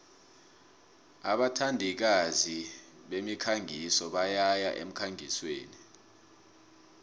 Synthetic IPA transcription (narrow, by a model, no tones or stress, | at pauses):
a̰ɓatʰandʱik̬azi | ɓemikʰaŋɡʱisɔɓajajaʔḛm̩kʰaŋiswḛːni